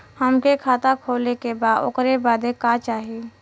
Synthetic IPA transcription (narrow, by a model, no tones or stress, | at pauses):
həmkekʰaːt̪akʰoːlekebaːd̪o̰kɾebaːd̪ekat͡ʃaːɦi